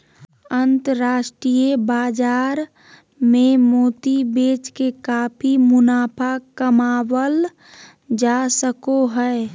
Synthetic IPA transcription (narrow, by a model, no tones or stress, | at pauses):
ənt̪əɾɾaːʃʈɾijebaːd͡ʒaːɾ | memoːt̪ibeːt͡ʃkekaːpʰimʊnaːpʰakəmaːwəl | d͡ʒasəkoɦɛe